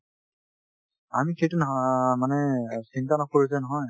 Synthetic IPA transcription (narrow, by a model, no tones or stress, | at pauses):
amixejtunmanɛsintanɔkoɹizɛnɔɦɔj